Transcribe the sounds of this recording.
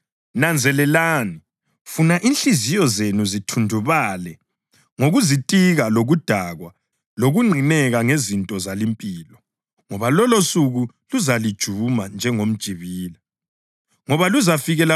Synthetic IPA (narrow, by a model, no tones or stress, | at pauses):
nand͡zʱɛlɛlaːni | funaʔinɬizijɔzenuzitʰundʱuβaːlɛ | ŋoɣuzitʼiɣaloɣud̥ʱaɣwa | loɣuŋ͡ǃʱinɛɣaŋezintʼɔzalimpʼiːlɔ | ŋɔβalɔlosuɣu | luzalid̥ʒ̥ʱumand͡ʒʱɛŋom̩d̥ʒ̥ʱiβiːla | ŋɔβaluzafiɣɛla